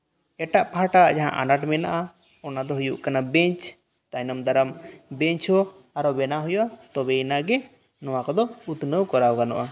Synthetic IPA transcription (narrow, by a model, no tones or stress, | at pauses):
ɛʈaʔpaɦaʈad͡ʒaɦã̰ʔa̰naʈmɛnaʔa | ɔnad̪ɔɦujuʔkanabɛɲt͡ʃ | t̪ajnɔmd̪aɾambɛɲt͡ʃʰɔ | aɾɔbɛnaɦujuʔat̪ɔbɛjnaɡɛ | nɔwakɔd̪ɔut̪nəwkɔɾawkanɔ̰ʔa